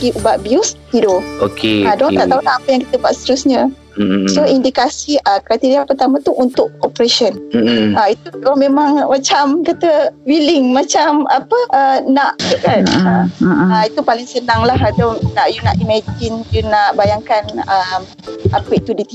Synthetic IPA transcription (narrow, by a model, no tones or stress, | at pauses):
ɡiʔubaʔ̪̚bjush̪idookeadont̪aʔt̪aulahapəjaŋki̥t̪əbuaʔst̪əɾusɲə̃ | soindikasiəkɾat̪iɾiapərt̪amãt̪uʔunt̪ʊʔ̚opəɾeʃənait̪udmẽmãŋmat͡ʃamkat̪əwilɪŋmat͡ʃamapəənaʔbəkanaaʔait̪upalɪŋsənaŋlahadonaʔjunaʔimad͡ʒɪnjunaʔbajaŋkanəm | apəit̪udit̪i